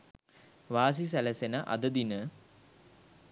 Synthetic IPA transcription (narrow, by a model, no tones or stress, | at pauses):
ʋaːs̬is̬æləsenəʔa̰d̪əd̪inə